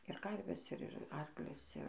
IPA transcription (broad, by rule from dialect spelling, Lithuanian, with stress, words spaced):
ɪr ˈkɐrʲʋʲɛs ˈɪr ɪr ˈɐrklʲʊs ˈɪr